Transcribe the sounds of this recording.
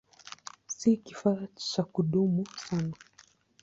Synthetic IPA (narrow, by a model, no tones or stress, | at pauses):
sikifat͡ʃakuɗumusana